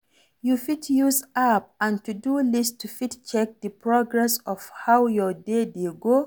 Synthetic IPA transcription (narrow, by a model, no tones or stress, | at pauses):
jufitʰjuzap̚ãntudulistʰufitt͡ʃɛk̚dəpʰɹɔɡɹɛsɔv̥hawjɔdedeɡo